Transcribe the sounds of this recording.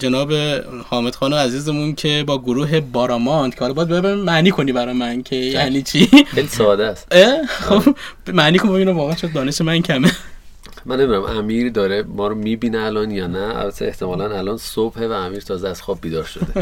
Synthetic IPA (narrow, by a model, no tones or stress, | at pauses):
d͡ʒenɒːbe̞hɒːme̞d̪xɒːnoæziːze̞muncʰe̞bɒːɡoɾuːɦe̞bɒːɾɒːmɒnd̪̥cʰehɒlɒbjæd̪̚bebeɾimæʔniːkʰo̞niːbæɾɒːjemæncʰejæniːt͡ʃʰixejlisɒːd̪æst̪exobmæniːkʰonbiːnævɒːɣeʃod̪̚d̪ɒːneʃemæncʰæme | mænːemid̪uɾæmʔæmiːɾd̪ɒːɾemɒːɾomibiːneælɒːnjɒːnææ̰lbæt̪ʰeeht̪ʰemɒːlænælɒnsob̥hevæːmiːɾt̪ʰɒːzeæz̥xɒːb̚biːd̪ɒːɾʃo̰d̪e